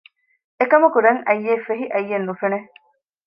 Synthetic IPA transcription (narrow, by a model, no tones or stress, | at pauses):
ekɐmukuɾɐŋɐjːeːfeɦiʔɐjːenːufene